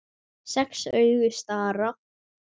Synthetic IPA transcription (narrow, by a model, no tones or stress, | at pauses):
sɛksœːɥɣʏst̪aːɾa